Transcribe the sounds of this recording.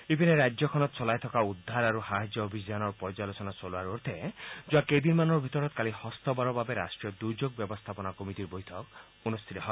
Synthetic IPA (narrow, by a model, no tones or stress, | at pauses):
ipineɾad͡ʒjɔkʰɔnɔt̪̚t͡ʃɔlajt̪ʰɔkaud̪ʱːaɾaɾuhaɦid͡ʒɔːbʱid͡ʒanɔɾpɔd͡ʒalot͡ʃɔnat͡ʃɔluaɾoɾt̪ʰed͡ʒuaked̪inmanɔɾbʱit̪ɔɾɔt̪kalihɔst̪ɔbaɾɔbabeɾa̰sʈɾiɔd̪ud͡ʒoɡ̚bjɔbɔst̪ʰapɔnakomit̪iɾbojt̪ʰɔk | unust̪ʰit̪ɔɦɔɪ